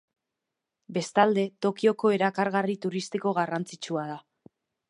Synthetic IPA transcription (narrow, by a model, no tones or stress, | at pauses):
be̞st̪ald̪e̞t̪o̞kio̞ko̞e̞ɾakaɾɣarit̪uɾist̪iko̞ɣarant͡sit͡ʃuað̞a